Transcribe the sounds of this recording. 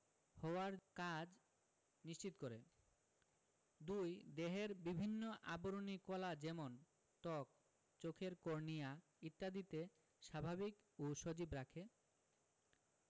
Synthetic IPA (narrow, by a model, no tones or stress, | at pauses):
hɔaɾkad͡ʑ | niʃt͡ɕit̪okoɾe | d̪ujd̪eɦeɾbibʱinːoʔa̰boɾonikɔlad͡ʑɛmon | t̪ɔk̚ | t͡ɕokʰeɾkoɾnia | it̪ːad̪it̪e | ʃabʱabikoʃod͡ʑibɾakʰe